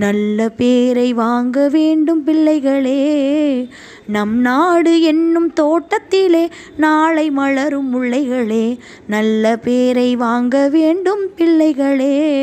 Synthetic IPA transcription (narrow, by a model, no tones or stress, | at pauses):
nɐlːɐpeːɾɐɪʋaːŋɡɐʋeːɳɖɯmpɪɭːɐɪɣɐɭeː | nɐmnaːɽɯɛnːɯmt̪oːʈːɐt̪ːɪleː | naːɭɐɪmɐɭɐɾɯmʊɭːɐɪɣɐɭeː | nɐlːɐpeːɾɐɪʋaːŋɡɐʋeːɳɖɯmpɪɭːɐɪɣɐɭeː